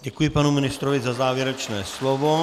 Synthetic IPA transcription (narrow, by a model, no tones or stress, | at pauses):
ɟɛkujɪpanumɪnɪst̪ɾovɪzazaːvjɛɾɛt͡ʃnɛːslovo